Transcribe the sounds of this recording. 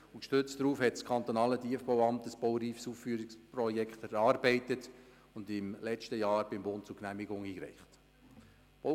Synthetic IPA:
ʊnkʃtøt͡stdɾuːfhɛtskʰɑnt̪onɑːlədiəfb̥oʊɑmtəsb̥owɾiːfsuːffyːɾɪksprɔjɛkχtɛɾɑːɾbɛɪtət | ʊndɪmlɛt͡ʃtəjɑːɾb̥ɪmbʊnt̚t͡sʊknæmɪɡʊŋiːkɾɛ̰ɪχt | b̥o

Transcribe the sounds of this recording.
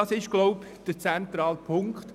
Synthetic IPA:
ɑsɪʃɡ̥loʊp | d̥ət͡sɛnt̪ɾɑːlpʰʊŋkt

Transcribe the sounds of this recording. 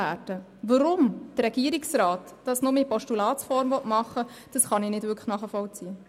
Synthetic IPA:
æːdə | vɑɾʊmd̥ərɾːɛɡ̥iəɾiksrɑːtːɑsnʊməipɔʃtulɑːtt͡sfɔɾmvɔtmɑχə | d̥ɑsχɑninɪdvʏkʰχχnɑːχəfɔlt͡siə

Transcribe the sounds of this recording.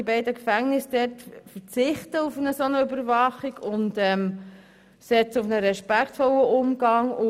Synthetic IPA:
ibɛɪdəkfæŋnɪsd̥ɛtfət͡sɪχtəufənəsonəʏbəɾvɑχiɡ̥ʊntɛm | sɛt͡səʊfnəɾɛʃpækʰtfɔləʔʊmɡɑŋʊ

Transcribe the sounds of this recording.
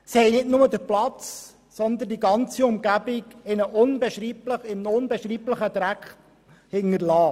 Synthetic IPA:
sihɛɪnɪtnʊməd̪əplɑt͡s | sɔnd̪əndiɡɑnt͡siʊmɡæbɪɡɪnəʔʊnbɛʃɾiːbləχɪmnʊnbɛʃɾiːbləχəd̪ɾækχt | hɪŋəɾlɑː

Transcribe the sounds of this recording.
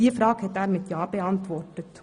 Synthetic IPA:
iːfɾɑːɡhɛt̪æːɾmɪt̪ʰjɑːpeːɑnt̪ʰʋɔʈət̪

